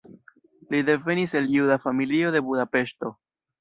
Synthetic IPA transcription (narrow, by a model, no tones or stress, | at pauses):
lid̪e̞ve̞nise̞ljudafamilio̞de̞budape̞ʃto̞